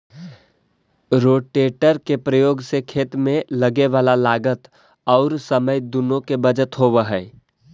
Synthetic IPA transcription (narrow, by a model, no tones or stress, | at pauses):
ɾoːʈeːʈəɾkepɾəjoːɡsekʰeːt̪mẽləɡeʋaːlalaːɡət̪ | ɔːɾsəməjd̪ʊnõkebəd͡ʒət̪ɦoːʋəɦɛː